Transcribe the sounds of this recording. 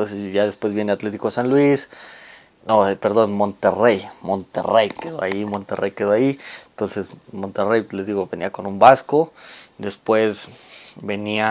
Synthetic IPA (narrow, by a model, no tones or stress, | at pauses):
t̪onsesʝaðespwe̞zβbje̞neat̪le̞t̪̬i̥kosanlwis | nope̞ɾðo̞nmo̞nt̪erejmo̞nt̪ḛrejkeðo̰a̰imo̞nt̪erejkeðoaiet̪o̞nse̞smo̞nt̪e̞rejleziɣoβenḭako̞numbasko̞d̪e̞spwe̞sbe̞nia